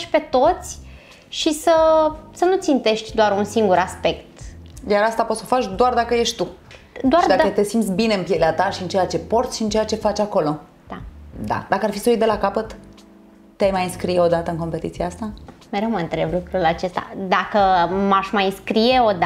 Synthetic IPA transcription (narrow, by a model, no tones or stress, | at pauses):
ʃʲpe̞t̪o̞t̪sʲ | ʃisəsənut̪sint̪e̞ʃt̪ʲd̪oaɾunsiŋɡuɾaspe̞kt̪jaɾast̪apot̪sofat͡ʃʲd̪oard̪akəje̞ʃt̪u | d̪oaʃrid̪ad̪kət̪e̞simt̪sʲbine̞ɨmpjeleat̪aʃiɨnt͡ʃejat͡ʃe̞po̞rt̪sʃiɨnt͡ʃejat͡ʃe̞fat͡ʃʲako̞lo̞ | d̪̥ad̪a̰d̪akəarfisəujd̪e̞lakapət̪ː | eajmajɨnskɾijeo̞d̪at̪əɨnŋko̞mpet̪it̪siaast̪ameɾemənt̪ɾe̞blukɾulat͡ʃe̞st̪a̰d̪akəmaʃʲmajɨnskɾije̞o̞d̪